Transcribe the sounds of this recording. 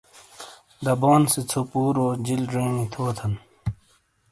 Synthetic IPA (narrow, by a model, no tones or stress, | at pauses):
d̪ɐboːnsit͡sʰopuːɾoːd͡ʑilɖɾiŋnit̪ʰoːt̪ʰɐn